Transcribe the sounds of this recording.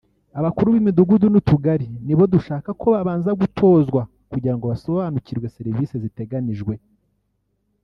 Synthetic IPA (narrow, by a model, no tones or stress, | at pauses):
aβakuɾuβimiduɡudunutuɡaɾiniβo̞duʃaːkakʰo̞βaβaːnzaɡutʰo̞ːzɡwa | kuɟiɾaŋɡo̞βaso̞βanuciɾɡwe̞seɾiviːsezite̞ɡaniʒɡwe̞